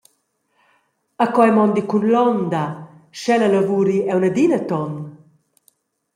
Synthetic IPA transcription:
akɔɛmɔnd̪ikunlɔnd̪aʃɛlalavuːɾiɛwnad̪inət̪ɔn

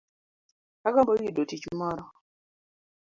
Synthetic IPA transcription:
aɡɔmbɔwidotit͡ʃmɔɾɔ

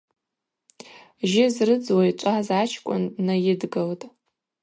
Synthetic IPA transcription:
ʒɪzrɨd͡zwajt͡ʃʷʼazat͡ʃʰkʷʼʊ̰nːajɪdɡaltʼ

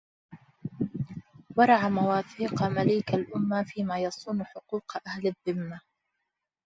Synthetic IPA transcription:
wɑɾˤɑʕamawaːθiːqmaliːkalʔʊmːafiːmaːjɑsˤuːnħʊquːqʔahlaðːɪmːa

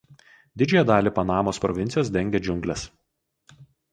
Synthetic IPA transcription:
d̪ʲɪd͡ʒʲojɛd̪ɑːlʲiˑːpɐnɑːmoːspɾɔ̰ʋʲɪnʲt̪ʲɪjoːs̬d̪ʲɛŋʲɡʲed͡ʒʲʊŋʲɡlʲɛs

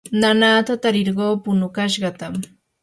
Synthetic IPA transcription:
nanaːt̪at̪aɾɪɾɢoːpʊnʊkaʃɢɑt̪am

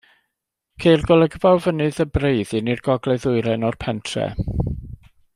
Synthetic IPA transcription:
kʰejrɡɔlˠəɡəvawvənɨðəbrejðɨnirɡɔɡlɛðʊɨɾɛnɔrpʰɛntʰrɛ̰

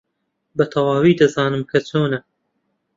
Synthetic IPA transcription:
bɐt̪ʰɐwaːwiːd̪ɐzaːnɨmkʰɐt͡sʰoːnɐ

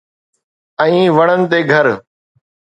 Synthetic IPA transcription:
ɛ̃ĩːʋɐɽ̃ənɪ̆t̪eːɡʱɐɾ

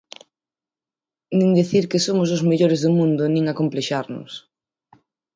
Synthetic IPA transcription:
nĩŋd̪eθiɾkesomʊs̬ʊzmeʎoɾezðʊmũnd̪ʊnĩŋakompleʃaɾnʊ̰s

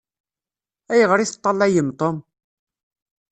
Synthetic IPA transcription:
æjəʁɾiθə̥t̪ˤːɑlːæjəmt̪ˤom

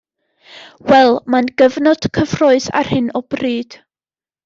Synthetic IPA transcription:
wɛlˠmanɡəvnɔd̥kʰəv̥roɨθa̰r̥hɪnɔb̥riːd̥

